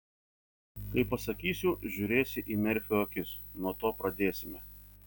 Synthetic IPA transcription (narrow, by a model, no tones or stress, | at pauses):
kɐɪpɐsɐkʲiːsʲʊʒʲuːɾʲeːsʲɪʔiːmʲɛɾʲfʲɛoːkʲɪsnuɔt̪oːpɾɐd̪ʲeːsʲɪmʲɛ